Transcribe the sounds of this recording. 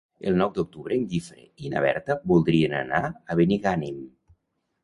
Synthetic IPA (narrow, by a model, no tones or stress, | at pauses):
əlˠnɔwd̪uk̚t̪uβɾeːŋɡifɾḛina̰β̞ɛ̰ɾt̪əbulˠd̪ɾiənə̰naəβeniɣanim